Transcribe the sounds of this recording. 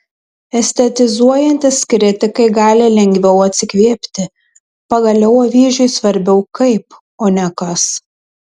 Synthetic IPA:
ɛsʲt̪ʲɛt̪ʲɪzuɔjɛnʲt̪ʲɪskɾʲɪt̪ʲɪkɐɪɡɑːlʲɪlʲɛŋʲɡʲʋʲɛʊɐt̪ʲsʲɪkʋʲeːpʲt̪ʲɪ | pɐɡɐlʲɛʊɐʋʲiːʒʲʊɪsʋɐɾʲbʲɛʊkɐɪp | oːnʲɛkɐs

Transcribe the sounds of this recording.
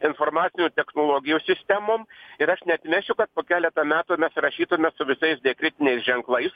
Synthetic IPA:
ɪnfoːɾmɑːt̪sʲɪnʲuːt̪ʲɛxnoːlˠoːɡʲɪjuːsʲɪsʲt̪ʲɛmoːmɪɾɐʃnʲɛɐt̪ʲmʲɛʃʲʊkɐt̪̚poːkʲæːlʲɛt̪ɐmʲæːt̪uːmʲɛsɾɐʃʲiːt̪ʊmʲɛsʊʋʲɪsɐɪsd̪ʲɛkɾʲɪt̪ʲɪnʲɛɪsʒʲɛŋklˠɐɪs

